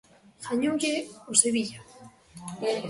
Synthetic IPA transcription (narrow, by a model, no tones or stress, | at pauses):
xaɲuʝeoseβiʎa